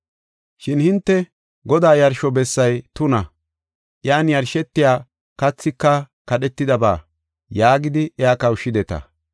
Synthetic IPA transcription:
ʃɪnhɪnt̪ːɛ | ɡɔd̪aːjɐɾʃɔbɛsːɐjt̪ʊnɐ | ʔjaːnjɐɾʃɛt̪ːɪjaː | kɐt͡sːɪkːɐ | kɐɗɛt̪ːɪd̪ɐba̰ː | jaːɡɪd̪ɪɛjaːkɐwʃːɪd̪ɛt̪ɐ̰

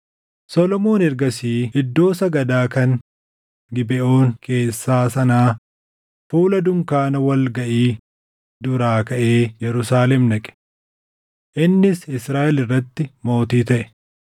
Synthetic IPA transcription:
sɔlɔmo̞ːnɛɾɡɐsiːɪd̪ːo̞ːsɐɡɐd̪aːkɐn | ɡɪbɛʔo̞ːŋkʰe̞ːsːaːsɐnaː | fuːlɐd̪ʊmkaːnɐwɐlɡɐʔiː | d̪ʊɾaːkɐʔe̞ːjɛɾʊsaːlɛmnɐkʼɛ̥ | ʔɪnːɪsɪsɾaːʔɛlɪrːɐt̪ːɪmo̞ːt̪iːt̪ɐʔɛ̥

